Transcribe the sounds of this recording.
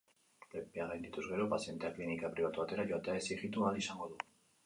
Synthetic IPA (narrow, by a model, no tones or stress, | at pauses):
pepeaɣajnd̪it̪uzɣe̞ɾo̞pasie̞nt̪e̞aklinikapɾiβ̞at̪uβat̪e̞ɾaʝo̞at̪eaesieɣit̪ualisaŋɡo̞ðu